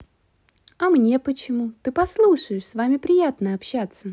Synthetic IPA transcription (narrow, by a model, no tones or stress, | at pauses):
ɐmnʲe̞pət͡ɕɪmut̪ɨpɐslˠuʂəjɪʂsvamʲɪpɾʲɪjat̪nəɐpɕːat̪sə